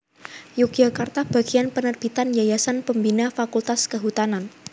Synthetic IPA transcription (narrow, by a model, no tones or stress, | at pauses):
juk̚d͡ʒakart̪ab̥a̤ɡ̥ianpənərb̥it̪and͡ʒajasanpəmbinafakult̪askəɦut̪anan